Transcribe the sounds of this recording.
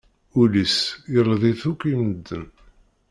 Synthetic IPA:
ulisjəlˤðˤiθukʷːiməd̪ːən

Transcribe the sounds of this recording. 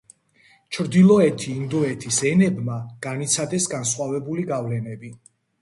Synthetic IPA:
t͡ʃʰɾd̪ilˠɔɛt̪ʰiːnd̪ɔɛt̪ʰisɛnɛbmaɡ̥anit̪sʰad̪ɛsɡansχwavɛbuliɡavlɛnɛbi

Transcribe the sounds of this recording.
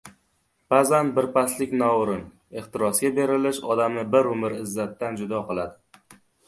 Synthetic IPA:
bazanbɪɾpaslɪkʲnɒwɾɪn | e̞χt̪ɪɾɒsɡʲabe̞ɾɪlɪʃɒd̪amnɪbɪɾʊmɪɾɪzːat̪ːand͡ʒʊd̪ɒqɨlˠad̪ɪ

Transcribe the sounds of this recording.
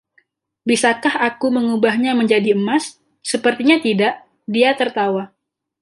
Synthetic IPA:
bisakahakuməŋubahɲaməɲd͡ʒadiəmasː | əpərt̪iɲat̪idaʔ | diat̪ərt̪awa

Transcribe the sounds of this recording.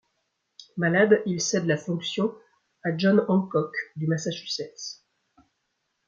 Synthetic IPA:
malad̪ilsɛd̪lafɔ̃ksjɔ̃ | aʒɔnɑ̃kɔkd̪ymasaʃysɛs

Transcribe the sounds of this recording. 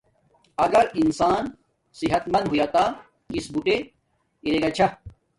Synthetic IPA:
ɐɡɐɾinsaːn | siɦɐt̪mɐnd̪ɦujaːt̪a | kisbuʈe | iɾeɡɐt͡ɕʰɐ

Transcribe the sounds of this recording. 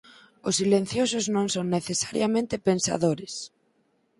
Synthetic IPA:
ʊsːilẽn̟θjosʊznõŋsoŋneθesaɾjamẽnt̪ɪpensa̰ðoɾes

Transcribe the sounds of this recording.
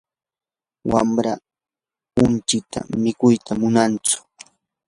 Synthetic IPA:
wa̰mɾa | ʊnt͡ʃɪt̪ʰa̰mɪkʊjt̪ʰamʊnant͡sʊ̥

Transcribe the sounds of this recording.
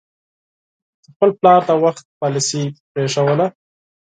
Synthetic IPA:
d̪̥əxpəlplɑɾt̪awaxt̪̚pɑlisipɾeʂawəla

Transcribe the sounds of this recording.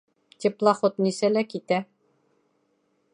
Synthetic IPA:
t̪iplˠɑχot̪nisælækit̪æ

